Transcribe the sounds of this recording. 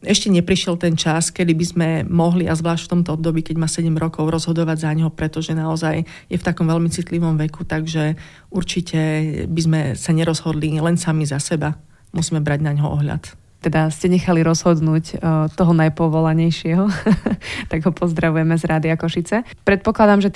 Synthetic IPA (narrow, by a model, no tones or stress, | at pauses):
ɛʃcɛɲɛpɾiʃɪɛlt̪ɛnt͡ʃaskɛd̪ibizmɛmɔɦliʔazʋlaːʃcft̪ɔmt̪ɔɔb̚d̪ɔbiːkɛɟmaːsɛɟɛmɾɔkɔʊɾɔzɦɔd̪ɔʋaɟzaɲɦɔpɾɛt̪ɔʒɛnaɔzaj | jɛft̪akɔmʋɛlmit͡sit̪liʋɔmʋɛkut̪aɡʒɛ | uɾt͡ʃicɛbizmɛsaɲɛɾɔzɦɔd̪lilɛnsamizasɛba | musiːmɛbɾaɟnaɲɦɔʔɔ̰ɦʎa̰t̪ | t̪ɛd̪ascɛɲɛxaliɾɔzɦɔd̪nuːct̪ɔɦɔnajpɔʋɔlaɲɛjʃɪɛɦɔ | t̪aɡɦɔpʰɔzd̪ɾaʋujɛmɛzɾaːd̪iakɔʃit͡sɛ | pɾɛt̪̚pɔklad̪amʒɛ